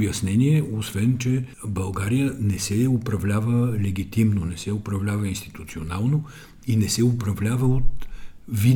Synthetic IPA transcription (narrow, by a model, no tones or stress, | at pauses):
bjɐsnɛniɛosvɛnt͡ʃɛbɐlˠɡaɾijənɛsɛʊpɾɐvlʲavəlɛɡit̪imnonɛsɛʊpɾɐvlʲavəinst̪i̥t̪ut̪sionalˠno | inɛsɛʊpɾɐvlʲavəot̪vi